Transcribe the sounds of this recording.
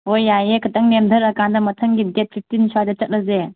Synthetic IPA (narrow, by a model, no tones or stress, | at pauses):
ojːajekʰɐtʰɐŋnemdʰʱɐɾɐkandɐmɐtʰɐŋɡidet̚pʰip̚tinsajdɐt͡ʃɐt̚lɐze